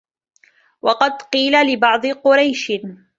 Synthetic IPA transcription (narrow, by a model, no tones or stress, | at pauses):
wɑqɑd̪qiːlalɪbɑʕd̪ˤɨqʊɾɑjʃ